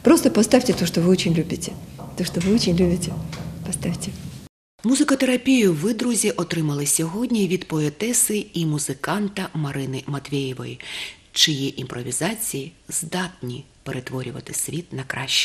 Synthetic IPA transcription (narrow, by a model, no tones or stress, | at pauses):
pɾost̪əpɐst̪afʲtʲɪt̪oʂt̪ɔʋɨot͡ɕɪnʲlʲubʲɪtʲɪt̪oʂt̪ɔʋɨot͡ɕɪnʲlʲubʲɪtʲɪpɐst̪afʲtʲɪ | muzɪkɔt̪eɾɐpʲijʊʋɪd̪ɾʊzʲiʔɔt̪ɾɪmɐlˠɪsʲɔɦɔdʲnʲiʋʲid̪pɔet̪ɛsɪimʊzɪkɑnt̪ɐmɐɾɪnɪmɐt̪ʲʋʲejɪʋɔ̰ji | t͡ʃɪjɛʔimpɾʔɔʋʲizɑt͡sʲijiz̥d̪ɑt̪nʲi | peɾʔet̪ʋɔɾʲʊʋɐ̰t̪ɪsʲʋʲit̪nɐkɾɑʃt͡ʃː